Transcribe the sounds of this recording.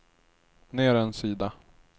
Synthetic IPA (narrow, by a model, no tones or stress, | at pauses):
neːɾɛnsiːd̪a